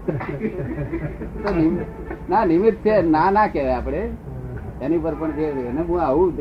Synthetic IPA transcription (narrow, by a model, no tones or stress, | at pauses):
t̪onɪm | nanɪmit̪t͡ʃʰenanakeʋeapɽ̃e | enipəɾpəɳd͡ʒenemũaʋũ